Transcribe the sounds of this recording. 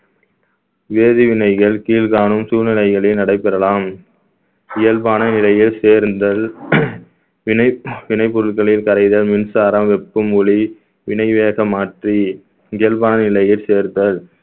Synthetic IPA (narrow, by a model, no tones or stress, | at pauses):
ʋeːðiʋɪnɐɪɣɐɭkiːlɣaːnɯmsuːɻnɪlɐɪɣɐɭɪnɐɽɐɪpːɛɾɐlaːm | ɪjɐlbaːnɐnɪlɐjɪlseːɾnd̪ɐl | ɪɐʋɪnɐɪpːɔɾɯɭkɐɭɪlkɐɾɐɪðɐlmɪnsaːɾɐmʋɛpːɯmʊɭi | ʋɪnɐɪʋeːɣɐmaːʈri | ɪjɐlbaːnɐnɪlɐjɪlseːɾd̪ɐɭ